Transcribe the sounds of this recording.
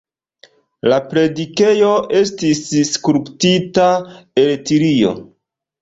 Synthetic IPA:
lapɾe̞dike̞jo̞ʔe̞stisskuɾptitae̞ltiɾio̞̰

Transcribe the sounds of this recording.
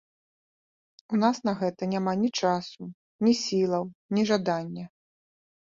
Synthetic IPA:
unasnɐɣɛt̪ɐnʲamanʲit͡ʂasu | nʲisʲilˠɐwnʲiʐad̪anʲːɛ

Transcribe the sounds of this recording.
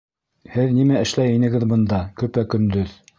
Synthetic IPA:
hɘðnimæɘ̆ʃlæjinɘ̆ɡɘðbɤ̆nd̪ɑkɵ̆pækɵ̆nd̪ɵð

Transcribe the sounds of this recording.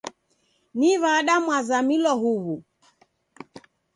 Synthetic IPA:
niβaɗamwazamilɔɦuβu

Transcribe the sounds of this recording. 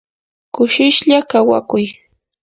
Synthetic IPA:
kʊʃɪʃʎakawa̰kʊj

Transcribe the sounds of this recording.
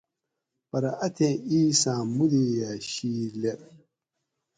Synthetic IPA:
bɐɾaʔatʰẽiːsãmudijaʃiːlɛ

